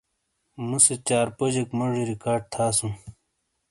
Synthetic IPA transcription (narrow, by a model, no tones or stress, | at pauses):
muset͡ɕaːɾpod͡ʑekmɐʐiɾikaːɾɖ̚t̪ʰaːsũ